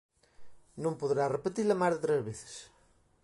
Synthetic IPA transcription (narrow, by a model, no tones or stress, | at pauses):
nõmpoðɾarepet̪ilamazðet̪ɾezβeθe̥s